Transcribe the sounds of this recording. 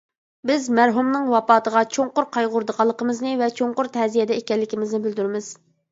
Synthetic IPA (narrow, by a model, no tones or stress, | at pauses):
bɪzmæɾɦumnɨŋwɑpɑːt̪əʁɑt͡ʃʰoŋqʊɾqʰɑjʁʊɾd̪əqʰɑlˠːəqəmɨznɨvɛt͡ʃʰoŋqʊɾt̪ʰɛzijɛd̪ɛekʲɛlːɪkʲimɪznɪbɪld̪yɾɪmɪz̥